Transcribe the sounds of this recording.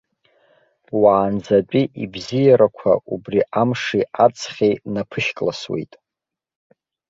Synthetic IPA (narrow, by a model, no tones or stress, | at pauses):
waːnd͡zat͡pʼiʔḭbzijaɾakʷʰa̰ubriʔamʂiat͡sʼʰχʲenapʰɨʃkʼlaswḛjtʼ